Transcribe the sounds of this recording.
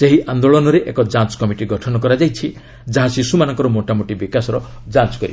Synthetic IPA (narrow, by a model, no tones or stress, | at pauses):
seɦiʔand̪oɭɔnɔɾeʔekɔd͡ʒat͡ʃkɔmiʈiɡɔʈʰɔnɔkɔɾad͡ʒajt͡ʃʰi | d͡ʒaɦasisumanɔŋkɔɾɔmoʈamoʈibikasɔɾɔ | d͡ʒant͡ʃɔ̥kɔɾḭ